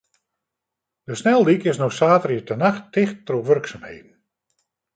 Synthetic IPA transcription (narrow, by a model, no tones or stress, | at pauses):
d̥əsnɛlˠdikɪsnɔxsaːtərjitənaxtɪxtːroʋørksaːmhḛːdn̩